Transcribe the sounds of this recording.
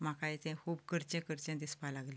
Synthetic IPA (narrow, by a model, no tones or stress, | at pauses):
m̤akajt̪ɛ̃kʰuːbkəɾt͡ɕẽkəɾt͡ɕẽd̪ispalaɡlẽ